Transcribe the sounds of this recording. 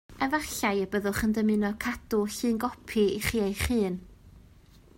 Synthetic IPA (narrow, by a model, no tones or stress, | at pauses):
əvaɬajəbəðʊχəndəmɨnɔkʰad̥ʊɬɨːnɡɔpʰiiχiːejχɨːn